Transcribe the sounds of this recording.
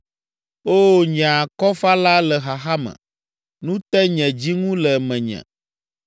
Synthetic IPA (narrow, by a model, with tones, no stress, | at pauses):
o˦ɲ˨ã˨kɔ˦fa˦la˦lɛ˨ɦa˨xa˦mɛ̰̃˨ | nũ˦t̪ɛ˦ɲɛ̃˨d͡ʑi˦ŋũ˦lɛ˨mɛ̃˨ɲɛ̰̃˨